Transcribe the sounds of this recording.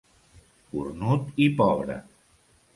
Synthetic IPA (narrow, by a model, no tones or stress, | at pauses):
kṵrnut̪ipɔβɾə̰